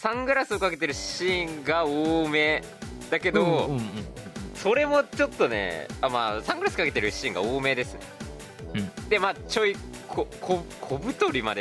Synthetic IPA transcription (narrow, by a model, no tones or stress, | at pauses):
sãŋɡɯ̟ɾasɨokake̞t̪e̞ɾɯ̟ɕɕĩŋɡaoːme̞ː | d̪ake̞d̪o | so̞ɾe̞mo̞t͡ɕo̞t̪ːo̞nḛamaːsãŋɡɯ̟ɾasɨ̥kake̞t̪e̞ɾɯ̟ɕɕĩŋɡa̰oːme̞ːd̪e̞sɨnḛ | d̪̥e̞maːt͡ɕo̞i | kʰokʰokʰo̞bɯ̟t̪o̞ɾʲimad̪e